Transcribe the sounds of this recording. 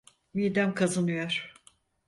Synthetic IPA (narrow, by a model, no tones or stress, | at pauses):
miːd̪æmkʰazanɯjoɾ̥